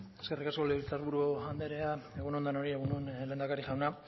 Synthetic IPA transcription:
e̞ske̞rikasko̞liβɾt͡s̪aɾβuɾuand̪eɾe̞aeɣunuond̪ano̞ɾie̞ɣunuenle̞ːnd̪akaɾiʝawna

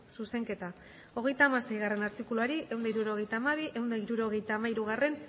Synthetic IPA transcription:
suse̞ŋke̞t̪a | o̞ɣ̞e̞jt̪aːmase̞jɣare̞naɾt̪ikuluaɾiʔe̞wnd̪aiɾuɾo̞ɣejt̪aːmaβ̞iʔe̞wnd̪aiɾuɾo̞ɣe̞jt̪aːmaiɾuɣ̞are̞n

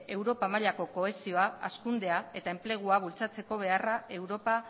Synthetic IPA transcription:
e̞wɾo̞pamaʎako̞ko̞e̞sio̞aa̰skund̪e̞ae̞t̪ae̞mple̞ɣ̞uaβ̞ult͡sat͡se̞ko̞β̞e̞arae̞wɾo̞pa

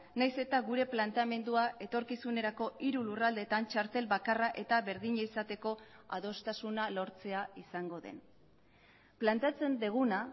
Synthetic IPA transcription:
najse̞t̪aɣuɾe̞plant̪ame̞nd̪uae̞t̪o̞ɾkisune̞ɾako̞ʔiɾulurald̪e̞t̪ant͡ʃaɾt̪e̞lβakaraʔe̞t̪aβe̞ɾðiɲaisat̪e̞ko̞a̰ðo̞st̪asunalo̞ɾt͡se̞aisaŋɡo̞ðe̞̰n | plant̪eat͡se̞nd̪eɣ̞una

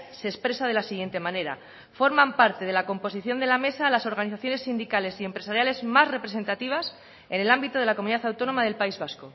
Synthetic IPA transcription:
se̞ːspɾesað̞e̞lasiɣje̞nt̪e̞mãne̞ɾa̰ | fo̞ɾmampaɾt̪e̞ð̞e̞lako̞mpo̞siθjo̞nd̪e̞lame̞saːlaso̞ɾɣ̞aniθaθjo̞ne̞sːind̪ikale̞sie̞mpɾe̞saɾjale̞zmasre̞pɾe̞s̬e̞nt̪at̪iβ̞as | e̞ne̞lambit̪oðlakomuniðaθawt̪o̞no̞maðe̞lpaizβasko

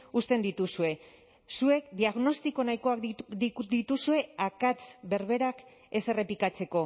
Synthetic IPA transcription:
ust̪e̞nd̪it̪usue̞ | sue̞kd̪iaɣno̞st̪iko̞najko̞ak̪d̪it̪usue̞akat͡sbe̞ɾβe̞ɾak | ese̞re̞plikat͡se̞ko̞

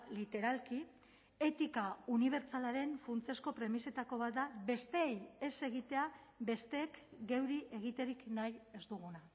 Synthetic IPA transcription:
lit̪e̞ɾalki | e̞t̪ikauniβ̞e̞ɾt͡salaɾe̞ɱfunt͡sesko̞pɾe̞mise̞t̪ako̞β̞at̪̚d̪abe̞st̪e̞ːjese̞ɣ̞it̪e̞abe̞st̪e̞ːkɡe̞wɾiʔe̞ɣ̞it̪e̞ɾiknaje̞zd̪uɣ̞una

